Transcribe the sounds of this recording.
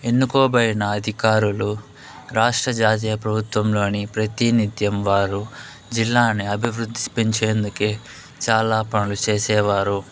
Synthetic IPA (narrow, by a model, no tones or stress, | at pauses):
e̞nːukoːbɐjɐnɐːd̪ʱikaːɾulu | ɾaːʂʈɾɐd͡ʒaːt̪̬iːjɐpɾɐbʱut̪ʋɐmlo̞ːnipɾɐt̪init̪jɐmʋaːɾu | d͡ʒilːaːniɐbʱiʋɾud̪ʱːispeɲt͡ʃe̞ːnd̪uke | t͡ʃaːlaːpɐnɐlut͡ʃeːsɛːʋaːɾu